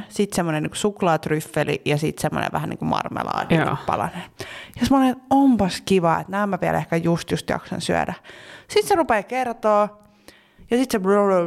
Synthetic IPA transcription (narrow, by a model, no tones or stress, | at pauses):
sit̪semːoneniːku̥suklɑːt̪ryfːelḭjɑsḭt̪semːo̰nḛʋʋæhænḭːŋkumɑ̰rmḛlɑ̰ːdiipɑlɑ̰neːjɑsemːonenompɑskiʋɑḛt̪næːmmæʋiæ̰lehkæjust̪just̪jɑ̰ksɑ̰nsyæ̰dæsit̪serupekert̪oː | jɑsit̪sebroro